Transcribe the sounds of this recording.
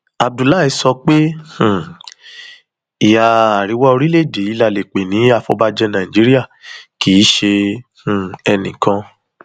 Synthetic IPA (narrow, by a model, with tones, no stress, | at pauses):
a˨b̚du˨la˦˨ɛ˧sɔ˧k͡pe˦h̩˨ | i˨ja˨a˨ɾi˨˦wɔ˦o˧ɾi˦le˦˨de˨˦i˦˧la˧le˨k͡pe˨nĩ˨˦a˧˨fɔ˦ba˧d͡ʒɛ˦nã˨ĩ˨d͡ʒi˨˦ɾi˦a˦˨ki˨˦ʃe˧ | ũ˨ɛ˧nĩ˨kã˧